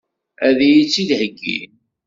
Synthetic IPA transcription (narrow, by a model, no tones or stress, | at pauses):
æðijit͡sːiðhəɡːḭ